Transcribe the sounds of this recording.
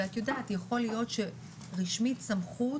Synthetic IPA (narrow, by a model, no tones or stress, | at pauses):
at̪jodaːt̪jaχo̞lijo̞t̪ʃe | ʁiʃmitsamχu